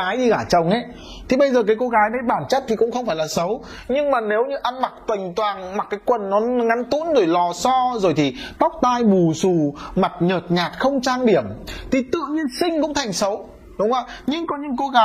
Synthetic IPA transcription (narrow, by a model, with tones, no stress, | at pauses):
aː˨˦jɗi˧kaː˧˩t͡ɕə˨˩wŋ͡mʔe˨˦ | t̪ʰi˨˩ɓə˧jzəː˨˩kaː˨˦jko˨˦ɣaː˨˦jɗə˨˦jɓaː˧˩nt͡ɕə˦˥p̚t̪ʰi˨˩kʊ̰˧˥ŋ͡mxə˧wŋ͡mfaː˧˩jlaː˨˩sə˨˦w | ɲɨ˧ŋmaː˨˩ne˨˦wɲɨ˧ʔa˧nma˨˩k̚t̪wə˨˩jŋ̟t̪waː˨˩ŋma˨˩kːaː˨˦jkwə˨˩nːɔ˨˦ŋa˨˦nt̪ṵ˧˥nɗo˧˩jlɔ˨˩sɔ˧zo˨˩jt̪ʰi˨˩t̪a˦˥wk͡p̚t̪aː˧jɓu˨˩su˨˩ma˨˩t̚ɲəː˨˩t̚ɲaː˨˩t̚xə˧wŋ͡mt͡ɕaː˧ŋɗi˧˩əmt̪ʰi˨˩t̪ɨ̰˧˨əɲi˧ənsï˧ŋ̟kʊ̰˧˥ŋ͡mt̪ʰa˨˩jŋ̟sə˨˦w | ɗʊ˨˦wŋ͡mʔa˨˦ɲɨ˧ŋkɔ˨˦ɲɨ̰˧˥ŋko˨˧˦ɣaː˨˦